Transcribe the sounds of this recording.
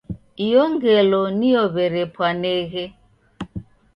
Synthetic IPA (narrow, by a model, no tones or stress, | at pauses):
ijɔŋɡɛlɔnijɔβɛɾɛpwanɛɣɛ